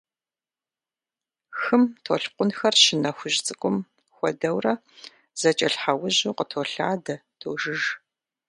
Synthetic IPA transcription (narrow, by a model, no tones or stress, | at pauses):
xɨmtʰoɬqʷʊnxɐrʃɪnɐxʷʊʑt͡sʼɨkʷʼʊm | xʷɔdɐwrɐ | z̥ɐt͡ʃʼɐɬħawʊʑuːqʼətʰoːɬa̰ːdɐ | tʰoːʒɨʒ